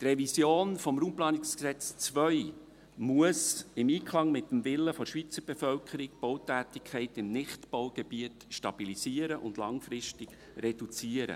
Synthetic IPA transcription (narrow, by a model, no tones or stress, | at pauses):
t̪rɛvisjoːnfɔmɾuːmplɑːnɪksksɛt͡st͡sʋœʏ | muəsɪmiːkʰlɑŋmɪt̪ːəmvɪlːəfɔʃʋit͡səɾb̥efœlkʰəɾik̚b̥owtæːtɪkʰχɛɪtɪmnɪχtpowɡ̥ɛbiətʃtɑb̥ilisiəɾəʔʊ̰ndlɑŋfɾɪʃtɪɡ̥ | rɛd̥ut͡siəɾə̰